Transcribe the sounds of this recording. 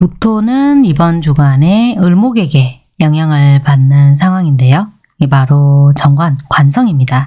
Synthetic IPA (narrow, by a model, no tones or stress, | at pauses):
putʰonɯnibʌnd͡ʑuɡaneɯɭmoɡe̞ɡe̞ | jʌŋjaŋɯɭpanːɯns̬ʰaŋɦwaŋinde̞jo | ipaɾot͡ɕʌŋɡwankwansʰʌŋimɲida